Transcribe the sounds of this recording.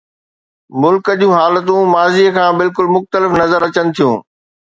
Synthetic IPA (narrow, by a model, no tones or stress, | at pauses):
mʊlkəd͡ʑũːɦaːlət̪̬ũmaːziəkʰãːbɪlkʊlmʊxt̪əlɪfnɐzəɾɐt͡ɕənɪ̆t̪ʰijũː